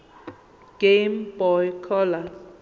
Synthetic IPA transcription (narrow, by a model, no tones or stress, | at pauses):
ɡ̥embɔjkʰɔla